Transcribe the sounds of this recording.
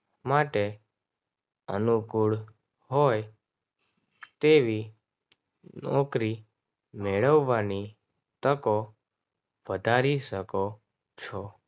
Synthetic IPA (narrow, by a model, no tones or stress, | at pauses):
maʈe | ə̰nukuɭ | ɦoj | t̪eʋi | nɔkɾi | meɭəʋːani | t̪əko | ʋəd̪ʱaɾiʃəko | t͡ʃʰɔ